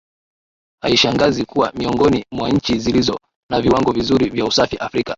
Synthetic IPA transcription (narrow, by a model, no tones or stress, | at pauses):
ha̰iʃaŋɡazikuwa̰miɔŋɡɔnimwaɲ̩t͡ʃizilizɔ | naviwaŋɡɔvizuɾivjausafiʔafɾika